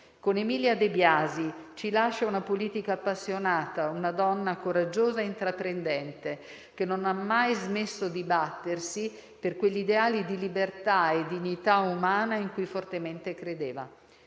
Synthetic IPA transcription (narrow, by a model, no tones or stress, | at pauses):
konemiljad̪ebjaːzit͡ʃilaʃaunapoliːt̪ikaːpːasːjonaːt̪aunad̪ɔnːakoɾad͡ʒːoːzaeint̪ɾapɾend̪ɛnt̪e | k̟enːonamːajzmesːod̪ibat̪ːersi | perkweʎːid̪eaːlid̪ilibert̪aed̪ːiɲːit̪aumaːnaiŋkujfort̪ement̪ekɾed̪eːva̰